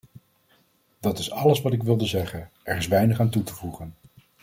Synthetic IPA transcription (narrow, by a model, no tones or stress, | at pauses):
d̥ɑtɪsɑləsʋɑtɪkʋɪlˠdəzɛχənɛɹɪsʋɛjnəχaːntutəvuχən